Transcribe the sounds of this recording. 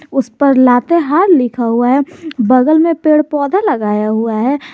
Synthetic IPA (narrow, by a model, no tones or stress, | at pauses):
ʊspəɾlaːt̪eɦaːɾlɪkʰaɦuaɦɛbəɡəlmẽpeːɽpɔːd̪ʱaləɡaːjaɦuaɦɛː